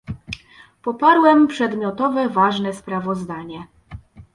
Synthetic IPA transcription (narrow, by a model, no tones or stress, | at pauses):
pɔpaɾwɛmpʂɛd̪mʲjɔt̪ɔvɛvaʐnɛspɾavɔzd̪aɲɛ